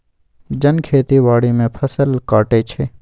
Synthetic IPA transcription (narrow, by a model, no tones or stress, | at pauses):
d͡ʒənkʰeːt̪iʋaːɽimẽpʰəsəlkaːʈet͡ʃʰeː